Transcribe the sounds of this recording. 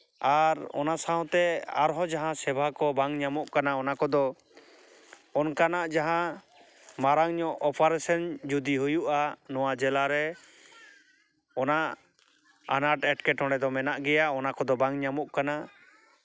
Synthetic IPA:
aɾɔ̰nasaɦɔ̃t̪ɛa̰ɾɦɔd͡ʒaɦãsɛbʱakɔbaŋɲamɔʔkanaɔnakɔd̪ɔ | ɔnkanaʔd͡ʒaɦã | maɾaŋɲɔʔɔpaɾɛsɛnd͡ʒud̪iɦujuʔanɔwad͡ʒɛlaɾɛ | ɔnaʔ | anaɾʈɛʈkɛʈɔ̃ɳɽɛd̪ɔmɛnaʔɡɛjaʔɔnakɔd̪ɔbaŋɲamɔʔkana

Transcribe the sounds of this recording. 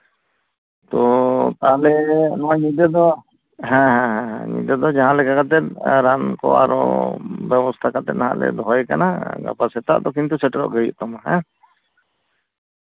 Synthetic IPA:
t̪ɔt̪alɛnɔɲid̪ɛd̪ɔ | ɦɛ̃ɦɛ̃ɦɛ̃ɦɛ̰̃ɲḭd̪ɛd̪ɔd͡ʒaɦãlɛkakat̪̬ɛt̪̚ɾankɔ̰a̰ɾɔ̰bɛbɔst̪ʰakat̪ɛt̪̚naɦã̰ʔlɛ̰d̪ʱɔjkanaɡa̰pasɛt̪a̰ʔd̪ɔkint̪usɛʈɛɾɔ̰ʔɡəjḭʔt̪ɔmaɦɛ̃

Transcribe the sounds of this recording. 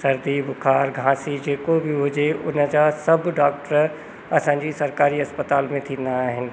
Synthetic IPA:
sɐɾd̪ibʊkʰaːɾɡʱãːsid͡ʑeːkobɪɦʊd͡ʑeʊnə̆d͡ʑasɐbʱɖaːk̚ʈɾəɾ | ɐsãːɲd͡ʑisɐɾkaːɾiɐspət̪aːlmẽt̪ʰĩːn̆d̪aːɦɪnɪ̆

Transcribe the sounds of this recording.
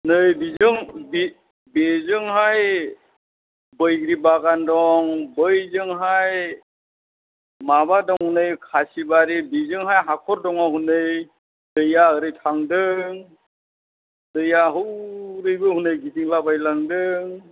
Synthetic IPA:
nɯjbizɯŋbi | bezɯŋɦaj | bɯjɡɾibaɡandɔŋbɯjzɯŋɦaj | maβadɔŋhunɯjkʰasibaɾibizɯŋɦajɦakʰɔɾdɔŋaɦunɯj | d̥ɯjaɯɾɯjtʰaŋdɯŋ | dɯjaɦɯwɾɯjbɯhunɯjɡitiŋlabajlaŋdɯŋ

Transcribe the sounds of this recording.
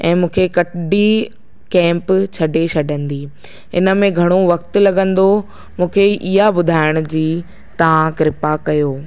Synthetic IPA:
ɛ̰̃ːmũːkʰekɐʈɖi | kɛ̃ːmpt͡ɕʰɐɖet͡ɕʰɐɖʱə̃nd̪iː | ɪ̰nə̆mẽɡʱɐɽ̃oʋɐkt̪ʊ̆lɐɡə̃nd̪o | mũːkʰeʔiɦabʊd̪ʱaːɪɽ̃ʊd͡ʑiː | t̪ɐʋ̤ãkɾɪpakɐjoː

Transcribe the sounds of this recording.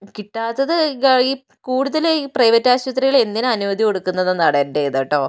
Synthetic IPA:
kiʈːaːt̪ːɐðɨiː | kuːɽuðɐliprɐjʋɐtːaːɕwɐt̪ːriɣɐɭe̞nd̪inɨɐnuʋɐd̪ʱiko̞ɽukːunːɐðɨnɐɽɐndeðɐʈːo̞ː

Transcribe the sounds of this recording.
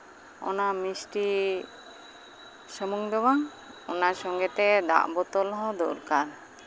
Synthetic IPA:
ɔ̰namisʈi | səmuŋd̪ɔwaŋ | ɔnasɔŋɡɛt̪ɛd̪ã̰ʔbɔt̪ɔlɦɔ̃d̪ɔɾkaɾ

